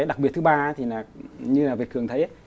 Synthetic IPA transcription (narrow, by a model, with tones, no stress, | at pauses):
jɗa˨˩k̚ɓət̪̚ʰɨ˨˦ɓaː˧˨˦t̪ʰi˨˩laː˨˩ɲɨ˧laː˨˩vi˨˩ət̚kɨ˨˩əŋt̪ʰə˨˦jʔa˨˦